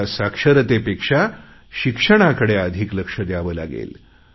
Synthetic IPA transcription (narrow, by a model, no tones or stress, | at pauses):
asakʂəɾət̪epekʂa | ɕikʂəɽ̃akəɽeəd̪ʱikləkʂəd̪jaʋəːlaɡḛl